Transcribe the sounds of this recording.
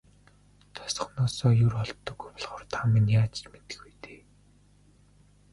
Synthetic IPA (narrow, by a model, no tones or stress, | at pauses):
t̪ʰɔ̥sɞ̥̆χnɔːsɔːjɵrɔɮt̪ːɞ̆ɣujpɔɮχɔːrt̪ʰaminjaːt͡ɕt͡ɕmet̪ɘ̥̆xujt̪e̥ː